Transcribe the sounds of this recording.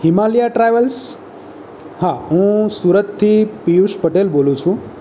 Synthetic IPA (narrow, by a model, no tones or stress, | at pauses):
himaljaʈɾajʋəls | haɦũsuɾət̪tʰːipijuʃpəʈelbolũt͡ʃʰũ